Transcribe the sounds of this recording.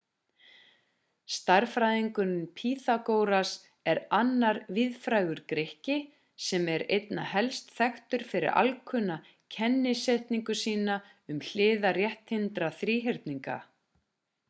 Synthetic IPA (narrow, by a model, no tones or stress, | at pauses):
st̪aɾfɾaːjðiŋkʏnʏmpʰiːθakoːwɾas | ɛɾanːaɾvɪðfɾajɣʏɾkɾehcɪ | sɛmɛɾejt̪na̰hɛlst̪θɛxt̪ʏɾ̥fɪɾɪ̰ɾa̰lkʰʏna | cʰɛnːɪseht̪niŋkʏsiːna | ʏml̥ɪːðarjɛht̪hɪnt̪ɾaθɾiːɦɪɾt̪niŋka̰